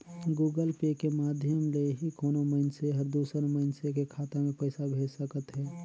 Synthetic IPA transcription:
ɡuːɡəlpekemaːd̪ʱjəmleɦikoːnoməɪnseɦəɾd̪uːsəɾməɪnsekekʰaːt̪amẽpəɪsabʱeːd͡ʒsəkət̪ɦɛː

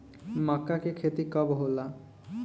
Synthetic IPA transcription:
makːakekʰet̪ikɔbɦola

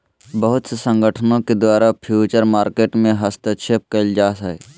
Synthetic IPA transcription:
bəɦʊt̪sesə̃ŋɡəʈʰənõked̪waːɾapʰjuːt͡ʃəɾmaːɾkeːʈmẽɦəst̪əʃʰep̚kəld͡ʒaːsɛ

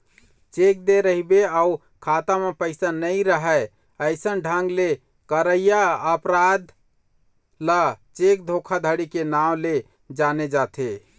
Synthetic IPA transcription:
t͡ʃek̚d̪eɾəɦibeau | kʰat̪amepəɪsanəɪɾəɦɛ | əɪsənɖʱə̃ŋɡle | kəɾəjjaəpɾad̪ | lat͡ʃek̚d̪ʱokʰad̪ʱəɽikenawle | d͡ʒaned͡ʒat̪ʰe

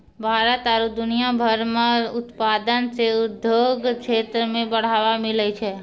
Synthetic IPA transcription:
bʱaːɾət̪əɾud̪ʊnijabʱəɾmãʊt̪paːd̪ənseʊd̪ʱjoɡkʃeːt̪ɾəmẽbəɽ̤aːʋamɪlət͡ʃʰɛː

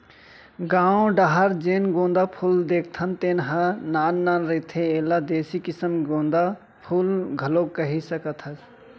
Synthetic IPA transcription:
ɡaːõɖaɦəɾd͡ʒeːnɡõːnd̪apʰuld̪eːk̚ʰt̪ʰənt̪eːnɦənaːnːanɾet̪ʰeeːlad̪eːsikisəmɡõːnd̪a | pʰulɡʱəlokəɦisəkət̪ʰəs

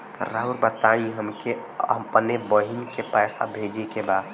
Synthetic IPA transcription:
ɾaɦuɾbət̪aĩɦəmkeəpənebəɦinkepɛːsa̰bʱed͡ʒekeba

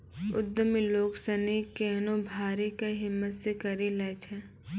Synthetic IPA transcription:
ʊd̪ːəmiloːɡsɐnekenõbʱaːɾikeɦɪmːət̪sekɐɾilɛːt͡ʃʰɛ

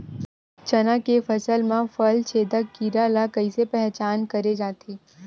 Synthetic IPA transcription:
t͡ʃɐnãkefɐsəlmãfɐlt͡ʃʰeːd̪akiɾalakɐisepɛɦt͡ʃaːnkɐɾed͡ʒaːt̪ʰeː

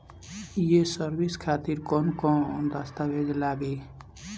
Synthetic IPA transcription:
jesəɾbiskʰaːt̪iɾkɔːnkoːnd̪ast̪aweːd͡ʒlaːɡeː

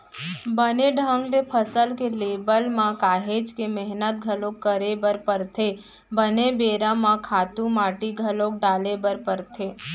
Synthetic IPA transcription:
bəneɖʱə̃ŋɡɾepʰəsəlkelebəlmãkaːɦed͡ʒkemɛɦnət̪̚ɡʱəlõkːəɾebəɾpəɾt̪ʰe | bənebeːɾãmãkʰaːt̪ũmaːʈiɡʱəlõk̚ɖaːlebəɾpəɾt̪ʰe

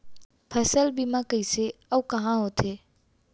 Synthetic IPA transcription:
pʰəsəlbimãkəiseawkaɦãɦot̪ʰe

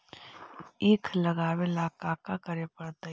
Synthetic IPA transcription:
eːkʰlɐɡaːwelaːkaːkakɐɾepɐɽt̪a

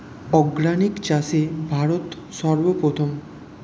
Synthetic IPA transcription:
ɔɡɾanikt͡ɕasebʱaɾot̪ | sɔɾbopɾot̪ʰom

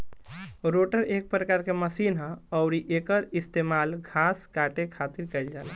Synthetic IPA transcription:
ɾoʈəɾek̚pɾəkaɾkeməsinɦə̃əʊɾiʔekəɾist̪emalɡʱaskaʈekʰat̪iɾkɛjld͡ʒala

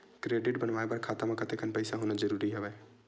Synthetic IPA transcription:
kɾeːɖɪʈbənʋaːepɐɾkʰaːt̪amãkɐt̪ʰekʰənpəːsaɦoːnad͡ʒəɾuːɾiɦɛʋɛː

